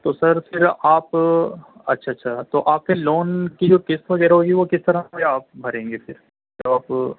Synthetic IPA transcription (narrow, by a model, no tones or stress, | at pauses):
t̪oːsɐɾfɪɾaːp | ɐ̰tːʃʰaɐtːʃʰat̪oːʔaːp̚keloːnkid͡ʒoːkɪst̪ʋɐɡɛːɾaɦoːɡiʋokɪst̪ɐɾãjaaːp̚bʱɐɾẽːŋɡefɪɾ | d͡ʒɐbaːp